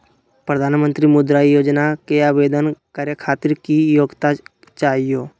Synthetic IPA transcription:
pɾəd̪ʱaːnmə̃nt̪ɾimʊd̪ɾaːijoːd͡ʒnakeaːʋeːd̪ənkaːɾjəkʰaːt̪ɪɾkijoːɡt̪a | t͡ʃaːɦijoː

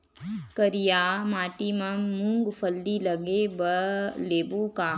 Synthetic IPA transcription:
kəɾijaːmaːʈimə̃mũŋɡpʰəlːilɐɡebəleːbuka

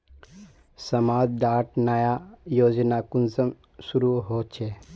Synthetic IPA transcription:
sɐmaːd͡ʒd̪aːʈnəjajoːd͡ʒnakunzəm | suɾuɦoːt͡ʃʰe

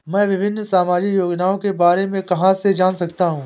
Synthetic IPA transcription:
mɛ̃ːʋɪbʱɪnːsaːmaːd͡ʒɪkjoːɡnaːõkebaːɾemẽkɐɦãsed͡ʒaːnsɐkt̪aɦũː

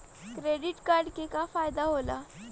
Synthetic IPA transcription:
kɾeɽiʈkaɾɖkekafajd̪aɦola̰

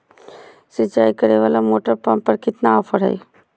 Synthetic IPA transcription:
sɪt͡ʃaːikɐɾeʋaːlamoːʈəɾpɐ̃mpɐɾkɪt̪naːfʰəɽɦɐ̰i

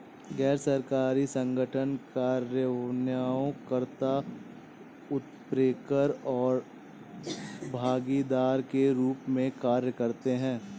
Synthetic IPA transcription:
ɡɛːɾsəɾkaːɾisə̃ŋɡəʈʰənkaːɾjənjaːõkəɾt̪a | ʊt̪pɾeːkəɾɔːɾ | bʱaːɡid̪aːɾkeɾuːpmẽkaːɾjəkəɾt̪eɦɛ̃ː

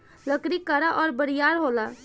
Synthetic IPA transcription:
ləkɾikəɾaʔɔːɾbəɾijaːɾɦoːla

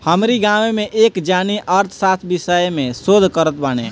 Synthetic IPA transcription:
həmɾiɡamemeʔeːkd͡ʒaniʔəɾt̪ʰsat̪ʰbisəjmẽsod̪ʱkəɾət̪̚banḛ

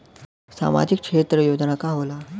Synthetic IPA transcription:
sa̰ma̰d͡ʑikkʂet̪ɾəjod͡ʑnakaɦola

